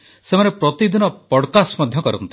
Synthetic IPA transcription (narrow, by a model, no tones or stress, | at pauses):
semanepɾɔt̪id̪inɔpɔɽkasmad̪ʱjɔkɔɾɔ̰nt̪i̥